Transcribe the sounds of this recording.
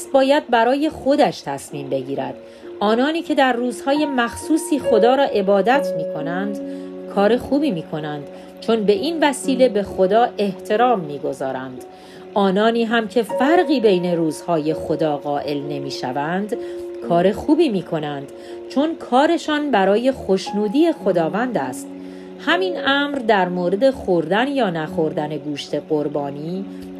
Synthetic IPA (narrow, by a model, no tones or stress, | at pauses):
sbɒːjæd̪̚bæɾɒːje̞xo̞d̪æʃt̪ʰæsmiːmbe̞ɟiːɾæ̰d̪̥ | ʔɒːnɒːniːcʰe̞d̪æɾruːzhɒːje̞mæxsuːsiːxo̞d̪ɒːɾɒːʔe̞bɒːd̪æt̪ʰmiːkʰo̞nænd̪kʰɒːɾe̞xuːbiːmiːkʰo̞nænd̪̥ | t͡ʃʰo̞nbe̞ʔiːnvæsiːle̞be̞xod̪ɒːʔe̞ht̪ʰe̞ɾɒːmːiːɡo̞zɒːɾænd̪̥ | ʔɒːnɒːniːɦæmcʰe̞fæɾɢiːbe̞jne̞ɾuːz̥hɒːje̞xo̞d̪ɒːɣɒːʔe̞lne̞miːʃævænd̪kʰɒːɾe̞xuːbiːmiːkʰo̞nænd̪̥ | t͡ʃʰo̞nkʰɒːɾe̞ʃɒːnbæɾɒːje̞xo̞ʃnuːd̪iːje̞xo̞d̪ɒːvænd̪æst̪ | hæminæmɾd̪æɾmoːɾe̞d̪e̞xo̞ɾd̪ænjɒːnæxo̞ɾd̪æne̞ɡuːʃt̪ʰe̞ɢo̞ɾbɒːniː